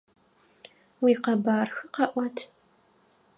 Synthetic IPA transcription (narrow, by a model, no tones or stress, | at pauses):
wiːqɐbaːrxɨqɐʔʷɐtʰ